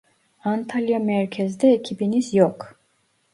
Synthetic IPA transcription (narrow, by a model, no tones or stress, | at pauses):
ant̪ʰaliamɛɾkʰɛzd̪ɛɛkʰibinisjɔkʰ